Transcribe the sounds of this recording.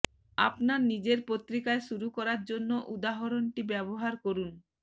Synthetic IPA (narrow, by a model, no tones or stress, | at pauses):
a̰pnaɾnid͡ʑeɾpot̪ːɾikaeʃuɾukɔɾaɾd͡ʑonːoʔud̪aɦoɾonʈibɛboɦaɾkoɾun